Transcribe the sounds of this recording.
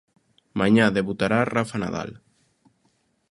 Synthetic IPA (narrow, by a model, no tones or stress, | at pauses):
maɲaðeβut̪aɾarafana̰ða̰l